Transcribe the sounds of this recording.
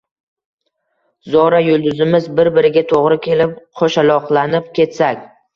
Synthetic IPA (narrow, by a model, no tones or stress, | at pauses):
zɒɾajʊlˠd̪ʊzɪmɪzbɪɾbɪɾɪɡʲat̪ʰoʁɾɪkʲʰe̞lɪp̚qʰoʃalɒqlˠanɪp̚kʲʰe̞t̪sakʲ